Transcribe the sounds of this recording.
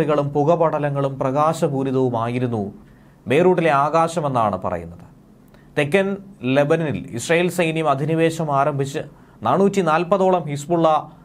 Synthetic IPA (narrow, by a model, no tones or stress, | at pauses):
ɭiɣɐɭumpuɣɐbɐɽɐlɐŋːɐɭumprɐɣaːɕɐbuːɾiðɐʋumaːjiɾunːu | be̞ːruːʈːile̞aːɣaːɕɐme̞nːaːɳɨpɐ̰rɐ̰jṵnːɐðɨ | t̪e̞kːɐnle̞bɐnɐnilḭsrɐjiːlsɐjnjɐmɐd̪ʱiniʋe̞ːɕɐmaːɾɐmbʱit͡ɕːɨ | naːɳnːuːtʲːinaːlpɐðo̞ːɭɐmhispuɭːɐ